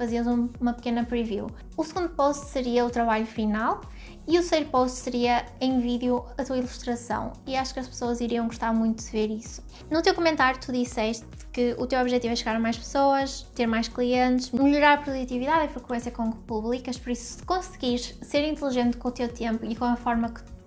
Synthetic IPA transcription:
fɐziɐzũmumɐpɨkenɐpɾivḭw | usɨɣũnd̪upoʃt̪sɨɾiɐut̪ɾɐβaʎufinalˠ | iut̪ɾsejɾupoʃt̪sɨɾiɐ | ẽj̃viðjuɐt̪uɐilˠuʃt̪ɾɐsɐ̰̃w̃iaʃu̥kɐʃpsoɐziɾiɐ̃w̃ɡuʃt̪aɾmũj̃t̪uðɨveɾisu̥ | nut̪ewkumẽnt̪aɾjut̪ʰuðisɛʃt̪ | kɨṵt̪ewɔβʒɛt̪ivɛʃɨɣaɾɐmajʃpɨ̥soɐʃt̪eɾmajʃklˠiẽnt̪ɨʃmɨʎuɾaɾɐpɾuðut̪iviðaðifɾɨkwẽsjɐkõpuβlˠikɐʃpɔɾisu̥sɨ̥kõsɨɣiɾseɾĩnt̪lˠiʒẽnt̪kõut̪ewt̪ẽmpuikõɐfɔɾmɐkɨ̥

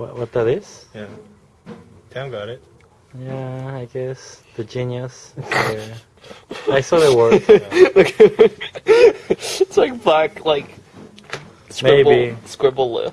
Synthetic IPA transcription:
wɔtwʌt̚dəðɪsjæ | dʰãmɡɑɾɪt̚ | jæaɪɡɛsðəd͡ʒĩnjəssɛ | aɪsɔðəwəok | ɪtslaɪk̚blæklaɪk | skmɹeɪbbiskɹɪbl̩ˠlɪ̰

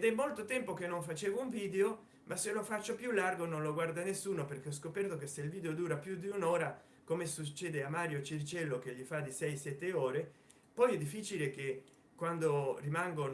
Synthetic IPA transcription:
d̪ɛmːolt̪ot̪ɛmpok̟enːoɱfat͡ʃeːvouɱviːd̪eo | mʔasːelofat͡ʃːopjulːarɡononloɡward̪anesːuːnoperk̟eɔskopɛrt̪okesːeilviːd̪eod̪uːɾapjud̪iunɔːɾa | komesut͡ʃːɛːd̪eamːaːɾjot͡ʃirt͡ʃɛlːokeʎːifad̪isɛjsɛt̪ːeoːɾe | pɔjɛd̪ːifːiːt͡ʃileke | kːwand̪orimaŋɡon

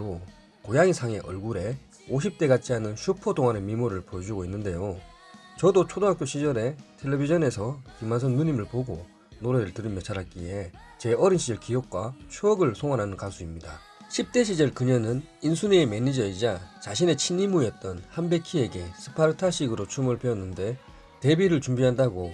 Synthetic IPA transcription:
o | kojaŋisʰaŋe̞ʔʌ̰ɭɡuɾe̞ | oɕ̬ʰip̚t͈e̞ɡat͡ɕʰiɦanɯnɕʰupʰotoŋɦane̞mimuɾɯɭpojʌd͡ʑuɡoinːɯnde̞jo | t͡ɕʌdot͡ɕʰodoŋak͈joɕʰid͡ʑʌɾe̞tʰe̞ɭːebid͡ʑʰʌne̞sʰʌkimans̬ʰʌnːuɲimɯɭpoɡo | noɾeɾɯɭtɯɾimjʌt͡ɕʰaɾak͈ie̞ | t͡ɕe̞ʌɾinɕʰid͡ʑʌɭkiok̚k͈wat͡ɕʰuʌɡɯɭsʰoŋwanɦanɯnkasʰuimɲida | ɕʰip̚t͈e̞ɕ̬ʰid͡ʑʌɭkɯɲʌnɯninsʰuneːme̞nid͡ʑʌid͡ʑat͡ɕaɕʰine̞t͡ɕʰinimujʌt̚t͈ʌnhambe̞kʰie̞ɡe̞sʰɯ̥pʰaɾɯtʰaɕʰiɡɯɾot͡ɕʰumɯɭpʰe̞ʌnːɯnde̞ | te̞biɾɯɭt͡ɕumbiɦandaɡo

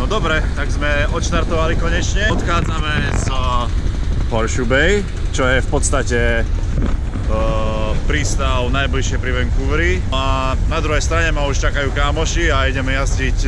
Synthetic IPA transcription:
nɔd̪ɔbɾɛt̪aɡzmɛɔt̪ʃt̪aɾt̪ɔʋalikɔɲɛt͡ʃɲɛɔt̪xaːd͡zamɛz | pɔɾʃubɛj | t͡ʃɔjɛfpɔt̪st̪acɛ | pɾiːst̪aʊnajbliʃɪɛjpɾiʋɛŋkuʋɾi | a | nad̪ɾuɦɛjst̪ɾaɲɛmauʃt͡ʃakajuːkaːmɔʃiaiɟɛmɛjazd͡ʑic

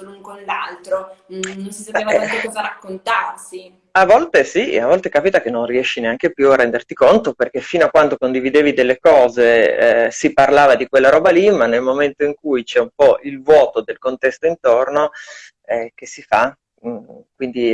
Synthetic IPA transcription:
uŋkonlalt̪ɾoonsisaevaɛkɔzaɾakːont̪arsi | avːɔlt̪esiavːɔlt̪ekaːpit̪ak̟enõnriɛʃːineaŋkepjuarːɛnd̪ert̪ikont̪operk̟efiːnoakːwand̪okond̪ivid̪eːvid̪elːekɔːzḛsiparlaːvad̪ikwelːaɾɔːbalimanːelmoment̪oiŋkujt͡ʃɛumpɔʔilvwɔːt̪od̪elkont̪ɛst̪oint̪orno | ɛk̟esifa | kwind̪i

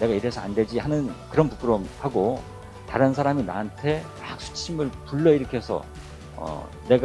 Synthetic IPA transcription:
ne̞ɡaiɾesʰʌandwe̞d͡ʑiɦanɯnkɯɾʌnpuk͈ʰɯɾohaɡo | taɾɯnsʰaɾamina̰ɯntʰe̞ | ak̚sʰu̥t͡ɕʰimɯɭpuɭːʌiɾʌkʰeesʰʌ̰ | ʌ̰ | ne̞ɡ

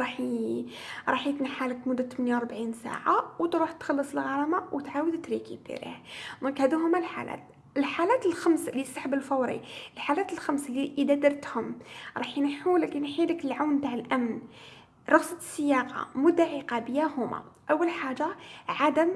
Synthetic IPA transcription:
ɾˤɑħ | ɾˤɑħjət̪nəħaləkmʊd̪ːæt̪ːəmənjawɾˤbʕinsa̰ʕawt̪ɾuħt̪xɑlːəsˤəlɣɑɾˤɑmawət̪ʕawəd̪t̪ɾikit̪ḭɾḭhd̪ɔ̃ŋkhæd̪iɦʊmːælħa̰læ̰t̪ | əlħalæt̪əlxamslisˤɑħbəlfɑwɾḭəlħalæt̪əlxæmsliʔəd̪æd̪əɾˤt̪hʊmɾˤɑħinħulækinħiləkəlʕawnt̪aʕəlʔæmn | ɾˤɑɣsˤɑ̥sːəjːɑqɑ̰mʊd̪ːaʕiqɑbəjæhʊma̰ʔəwːəlħaʒaʕad̪əm

